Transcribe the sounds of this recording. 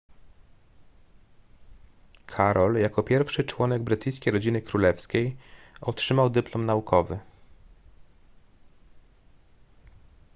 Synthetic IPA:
kʰaɾɔljakɔpʲjɛɾfʂɘt͡ʂwɔnɛɡ̚bɾɘt̪ɘjskʲejɾɔd͡ʑinɘkɾulɛfskʲejɔtʂɘmawd̪ɘplɔmnaukʰɔvɘ

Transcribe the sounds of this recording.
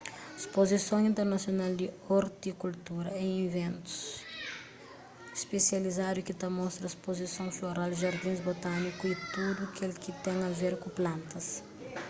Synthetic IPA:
espozisõw̃ĩnt̪eɾnɐsjonald̪ioɾt̪ikult̪uɾɐẽj̃ĩvẽnt̪u̥s | spesjɐlizaɾukit̪amɔst̪ɾɐspozisõw̃foɾald̪ʒaɾd̪ĩzbot̪anikuit̪ud̪ukelkit̪ɛ̃ŋɐveɾkũplãnt̪ɐs

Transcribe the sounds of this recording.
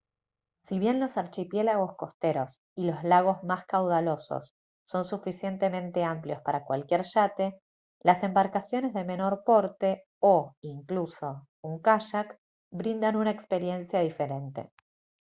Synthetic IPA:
siβje̞nlo̞saɾt͡ʃipje̞laɣo̞sko̞st̪e̞ɾo̞s | ilo̞zlaɣ̞o̞zmaskawð̞alo̞so̰sː | o̞nsufisje̞nt̪e̞mẽ̞nt̪e̞ampljo̞spaɾakwalkje̞ɾʃat̪e̞ | lase̞mbaɾkasjo̞nezðe̞me̞no̞ɾpo̞ɾt̪e̞ | oiŋkluso̞ | uŋkaʃak | bɾind̪anunaekspe̞ɾje̞nsjaðife̞ɾe̞nt̪e̞̰

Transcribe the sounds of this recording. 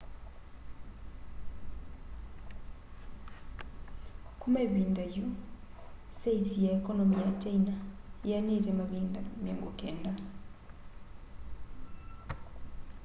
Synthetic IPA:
kumeβindaju | seitijaikɔnomijat͡ʃainajaɲetemaβiːndamjeŋɡukenda

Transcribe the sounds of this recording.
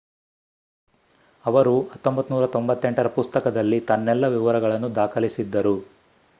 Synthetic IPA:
ɐʋɐɾuɐt̪ːo̞mbɐt̪ːunuːɾɐt̪o̞mbɐt̪ːe̞ɳʈɐɾɐpust̪ɐkɐd̪ɐlːit̪ɐnːɛlːɐʋiʋɐɾɐɡɐɭɐnːud̪aːkʰɐlisid̪ːɐɾu

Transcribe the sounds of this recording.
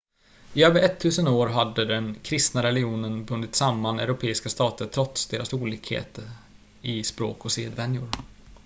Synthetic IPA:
ɪøːvəɾɛt̪ʰːʉ̟ːsənoːɾɦad̪ːəd̪ɛnkʰɾɪst̪naɾɛlɪuːnənbɵnd̪ɪt̪samːanɛ̰ʉɾʊpʰeːɪskast̪ɑːt̪əʈʰɾɔt̪sd̪eːɾasuːliːkhḛːt̪ə | ɪspɾo̰ːkɔseːd̪vɛnjʊɾ

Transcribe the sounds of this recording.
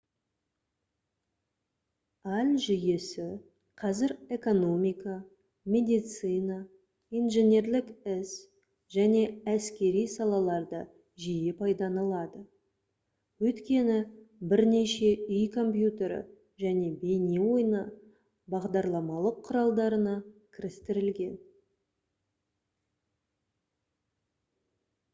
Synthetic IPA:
ɑlʲʒʏjesɪ | qʰɑzɪɾe̞ko̞no̞mʲijkɑ | mʲe̞d̪ijt̪sɨjna | ijnʒenʲe̞ɾlɪkɪs | ʒ̥æne̞æskʲe̞ɾijsɑlˠɑlˠɑɾd̪ə | ʒijepʰɑjd̪ɑnɑlˠɑd̪ə | wɵt̪kʲe̞nɪbɪɾne̞ʃe̞ʏjkʰo̞mpjut̪ʲe̞ɾə̰ | ʒæne̞be̞newo̞jnə | bɑʁd̪ɑɾlˠɑmɑlˠəqʰːʊɾɑlˠd̪ɑɾənɑkʲʰɪɾɪst̪ɪɾɪlɡʲe̞n

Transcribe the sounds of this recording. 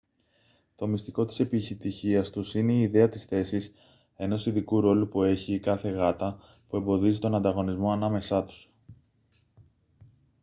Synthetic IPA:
t̪o̞mist̪iko̞t̪i̥se̞piçit̪içiɐst̪usine̞iːðe̞ɐt̪isθe̞sis | e̞no̞siðikuɾo̞lupue̞çikɐθe̞ɣɐt̪ɐ | pue̞mbo̞ðizit̪o̞nɐnd̪ɐɣo̞nizmo̞ɐnɐme̞sɐt̪u̥s

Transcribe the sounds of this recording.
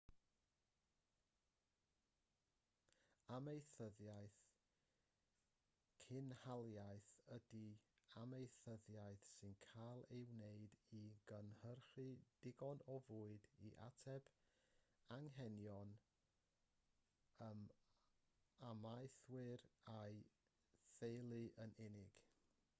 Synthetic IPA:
amejθəðjajθ | kʰɪnhalˠjajθədi | amejθəðjajθsɨnkʰalˠewneɨdiɡənhərχɨd̥ɪɡɔnɔvuːɨdiʔa̰tʰɛb̥ | aŋɦɛnjɔn | əm | amajθwɪɾaj | θejlˠɨʔənɪnɪɡ̥

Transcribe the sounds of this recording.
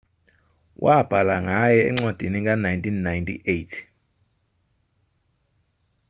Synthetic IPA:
wʔab̥ʱalaŋajɛɛ̰ŋ͡ǀad̥ʱiniŋɡanajntinːajntḭʔetʰ

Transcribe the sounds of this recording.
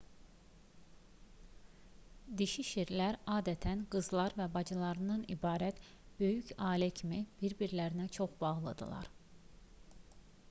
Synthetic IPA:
d̪iʃiʃiɾlæɾɑːd̪æt̪ʰænɡɯzlˠɑɾvæbɑd͡ʒɯlˠɑɾɯnɯnḭbɑːɾæt̪ | b̥ø̞jycʰɑːlæcʰimib̥iɾbiɾlæɾinæt͡ʃʰo̞χb̥ɑʁlˠɯ̰d̪ɯ̰lˠɑ̰ɾ

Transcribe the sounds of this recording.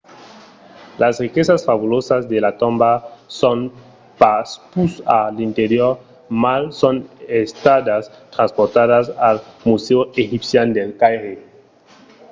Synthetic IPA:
lasrikesasfaβulosazd̪elat̪õmbason | paspusalint̪eɾjoɾ | malsonest̪ad̪as | t̪ɾanspoɾt̪aðasalmuseoexipsjand̪elkajɾe

